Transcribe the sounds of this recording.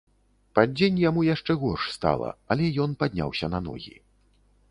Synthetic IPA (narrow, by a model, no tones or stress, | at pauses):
padd͡zʲenʲjamujaʂt͡ʂɛɣɔrʂst̪a̰lˠɐ̰alʲɛjɔnpad̪ʲnʲa̰wsʲɐnɐnɔ̰ɣʲḭ